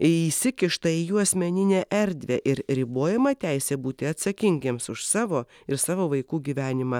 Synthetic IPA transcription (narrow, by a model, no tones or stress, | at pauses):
iːsʲɪkʲɪʃt̪ɐijuːɐsʲmʲɛnʲɪnʲeːʔɛɾʲd̪ʲʋʲeːʔɪɾɾʲɪboːjɛmɐt̪ʲæɪsʲeːbuːt̪ʲɪɐt̪sɐkʲɪŋʲɡʲeːmsʊʃsɑːʋoː | ɪɾsɑːʋoːʋɐɪkuːɡʲiʋʲæːnʲɪmɑ